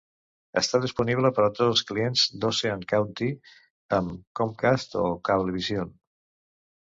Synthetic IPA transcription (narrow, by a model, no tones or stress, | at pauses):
ə̰st̪aðispuniβ̞ləpəɾət̪od͡zəlˠsklienzd̪oseankawnt̪i | əmkɔmkast̪o̰kaβliβizjon